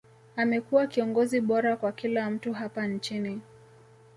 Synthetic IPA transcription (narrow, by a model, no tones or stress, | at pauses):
amɛkuwakiɔŋɡɔziɓɔɾakwakilam̩tuɦapant͡ʃini